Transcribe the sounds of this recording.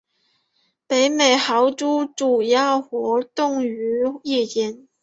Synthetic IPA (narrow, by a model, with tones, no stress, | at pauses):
pe˨˥ɪme˨˩jhɑ˨˥wt͡su˥t͡su˨˩ja˥xɔ˨˧˥t̪ʊ˥˧ŋy˨˧˥ji˥˧ji˨˥n